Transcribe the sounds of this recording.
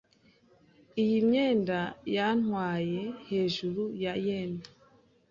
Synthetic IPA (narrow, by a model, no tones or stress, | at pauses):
ijimɲeːndajanwaːje̞he̞ːʒuɾujajeːna